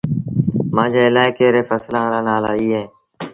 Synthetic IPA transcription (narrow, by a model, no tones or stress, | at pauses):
mãːd͡ʒaːɪlaːekeːɾeːfəslãːɾaːnaːlaːiːɦẽː